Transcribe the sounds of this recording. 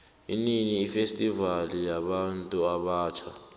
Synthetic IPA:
ḭniniːfestʼivalijaɓantʼuaɓaːt͡ʃʰa̰

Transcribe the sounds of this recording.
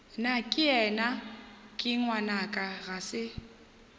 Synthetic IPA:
nakʼɪɛnakʼɪŋwanakʼaɣasɪ

